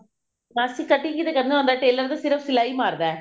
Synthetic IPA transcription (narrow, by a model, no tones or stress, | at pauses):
mɐsikɐʈːɪŋɡɪðɐkːɐɾnɯʋɐnd̪aːʈːɯɛlːaːɾðʊ̃sɪɾɐpsɪlajmaːɾðɛ̃